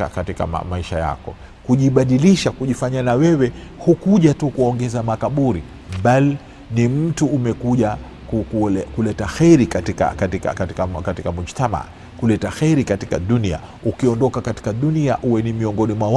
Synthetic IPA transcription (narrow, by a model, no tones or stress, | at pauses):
a̰katika̰ma̰maiʃaja̰kɔ̰ | kuʄiɓaɗiliʃakuʄifaɲanawɛwɛ | hukuʄatukuɔŋɡɛzamakaɓuɾi | ɓali | nim̩tuːmɛkuʄa | kukulɛkulɛtaxɛɾikatika̰katika̰katikakatikamuʃtama̰ | kulɛtaxɛɾikati̥kaɗunia̰ | ukiɔndɔkakati̥kaɗuniaʔuwɛnimiɔŋɡɔnimwaw